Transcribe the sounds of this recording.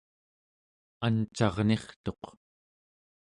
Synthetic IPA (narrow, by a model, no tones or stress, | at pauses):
ant͡ʃɑʁne̞χt̪o̞q